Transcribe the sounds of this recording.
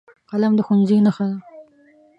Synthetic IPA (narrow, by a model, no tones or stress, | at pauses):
qalamd̪əxunzinaxad̪a